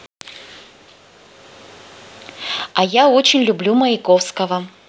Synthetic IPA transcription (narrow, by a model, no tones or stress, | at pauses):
ɐjaot͡ɕɪnʲlʲʊblʲuməɪkofskəvə